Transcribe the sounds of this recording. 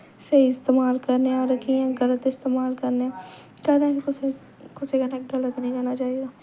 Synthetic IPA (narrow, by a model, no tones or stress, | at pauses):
seiɪst̪eːmaːlkəɾneaːɾəkʰiãːɡələt̪ɪst̪eːmaːlkəɾneɛ̃ | kɛd̪ãkikʊs | kʊsekənɛːk̚ʈɡələt̪nə̃ɦĩd͡ʒaːnat͡ʃaːiɡaː